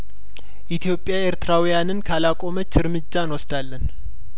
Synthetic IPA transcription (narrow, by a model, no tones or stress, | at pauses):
ʔit̪ʰjo̞pʼːjaeɾt̪ʰɨɾawijanɨnkʰalakʼo̞mət͡ʃːɨɾmɨd͡ʒːaɨnwɔsd̪alːən